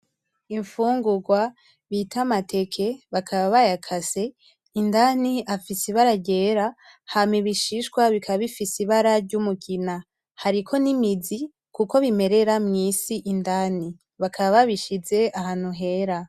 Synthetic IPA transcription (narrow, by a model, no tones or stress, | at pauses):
iɱfuːŋɡuɡwa | βitamatʰe̞kʰe̞βakʰaβaβajakʰase̞ | indaniʔafisiβaɾaɟe̞ːɾa | hameβiʃiʃkwaβikʰaβaβifisiβaɾaɾɟumukina | haɾikʰo̞nimizi | kuko̞βime̞ɾe̞ɾamŋiːsiʔindani | βakʰaβaβaβiʃize̞aɦaːn̥huɦe̞ːɾa